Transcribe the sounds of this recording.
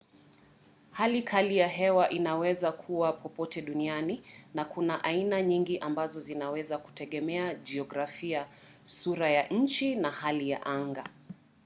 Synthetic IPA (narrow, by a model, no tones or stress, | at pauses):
halikʰalijaɦɛwaʔinawɛzakʰuwapʰɔpɔtɛɗunianinakunaʔainaɲiŋɡiʔambazɔzinawɛzaku̥tɛɠɛmɛad͡ʒiɔɡɾafia | suɾajaʔɲ̩t͡ʃinahalija̰ʔaŋɡa